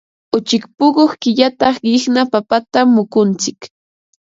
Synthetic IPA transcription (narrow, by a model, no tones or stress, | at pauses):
ʊt͡ʃɪkpʊɢoχkɪʎat̪ɑχɢɪχnapapat̪amːʊkʊnt͡sɪk